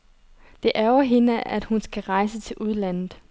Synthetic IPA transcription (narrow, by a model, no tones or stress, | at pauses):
d̥e̝ʔæɐɐɦe̝nəʔæd̥hunsɡ̥æʁɑ̈ɪsət͡sʰe̝lʔuð̞ˠlæn̰ð̩ˠ